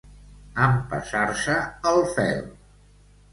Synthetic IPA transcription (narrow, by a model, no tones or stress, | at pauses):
əmpə̰sarsəəlˠfɛ̰l